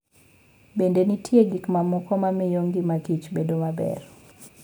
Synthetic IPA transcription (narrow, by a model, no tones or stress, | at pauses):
bendenitʰjeɡikmamʊkɔmamɪjoŋɡimakit͡ʃbedomabɛ̰r